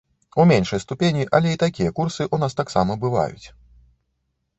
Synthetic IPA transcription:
umʲenʂɐjst̪upʲenʲiʔɐlʲɛit̪akʲijɐkursɨʔunast̪aksa̰mɐbɨva̰jṵt͡sʲ

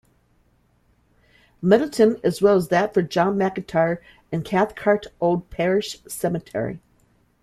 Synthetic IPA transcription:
mɛɾl̩ˠtʰɨ̃nɨzwɛlˠəzðɨtfə˞d͡ʒɑ̃nmækɨtʰɑɹ | ɨ̃nkʰæθkʰɑɹɾoʊlˠd̚pʰɛɹɪʃsɛmɨtʰɛ̰ɹḭ

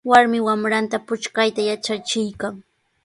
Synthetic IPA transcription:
waɾmɪwamɾant̪apʊt͡ʃkajt̪ajat͡ʃat͡ʃɪjkaŋ

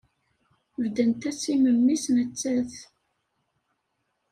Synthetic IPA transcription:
vd̪ənt̪æsiməmːisnət͡sːæθ

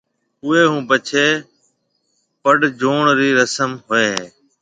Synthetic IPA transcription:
ʊeːɦũːpət͡ʃʰeː | pəɖd͡ʒoːɳɾiːɾəsəmɦoːeː

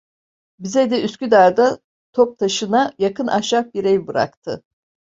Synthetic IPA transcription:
bizɛd̪ɛyscʲyd̪aɾd̪a | t̪ʰop̚t̪ʰaʃɯnajakɯnʔaʃak̚biɾɛjbɯɾa̰kt̪ʰɯ

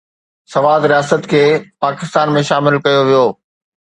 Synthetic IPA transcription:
sɐʋaːd̪ɾijaːsət̪kʰeːpaːkɪst̪aːnmẽʃaːmɪlkɐjoʋijoː

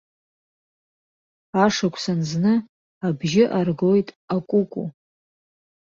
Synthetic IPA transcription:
aʂakʷʰsanznɨ | abʒɪʔarɡojtʼ | akʷʼukʷʼu

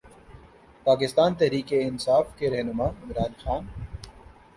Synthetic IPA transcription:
paːkɪst̪aːnt̪ɛɦɾiːkeɪnsaːfkeɾɛɦnʊmaːɪmɾaːnxaːn

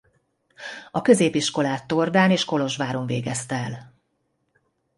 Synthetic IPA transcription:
ɒkø̞zeːpiʃko̞laːt̪ːord̪aːneːʃko̞lo̞ʒʋaːɾo̞ɱvḛːɡɛst̪ɛɛl

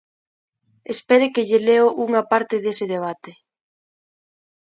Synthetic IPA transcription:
espɛɾekɪʎeleoʔuŋɐpaɾt̪ɪðesɪðeβ̞at̪e

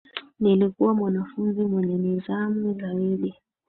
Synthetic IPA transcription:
nelikʼɔmɔnafund͡zʱimɔnɛnɛzamizaweːli

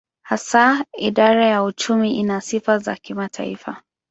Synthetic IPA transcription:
hasaiɗaɾajaut͡ʃumiʔinasifaza̰kimatʰa̰ḭfa

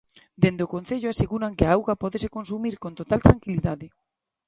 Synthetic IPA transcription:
d̪end̪eokõnθeʎoaseɣuɾaŋkeaawɣapɔðesekonsumiɾkont̪ot̪alt̪ɾaŋkiliðaðe

